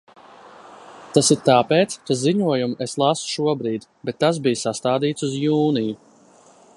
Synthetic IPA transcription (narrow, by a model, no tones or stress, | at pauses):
t̪asiɾt̪aːpeːt̪skaziɲuɔjumeslˠasu̥ʃuɔbɾiːd̪bɛt̪ːas̬bijsast̪aːd̪iːt̪suzjuːniju